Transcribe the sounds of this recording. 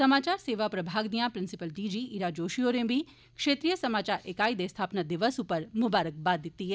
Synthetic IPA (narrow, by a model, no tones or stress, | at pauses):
sɐmaːt͡ʃaːɾseːʋapɾɐbʱaːɡnijãpɾɪ̃nsɪpəlɖiːd͡ʒiːʔiɾaːd͡ʒoːʃioːɾẽbʱi | kʃeːt̪ɾijəsɐmaːt͡ʃaːɾʔeːkaːid̪est̪ʰaːpnad̪ɪʋəsupəɾmʊbaːɾək̚baːd̪ɪt̪ːiɦɛː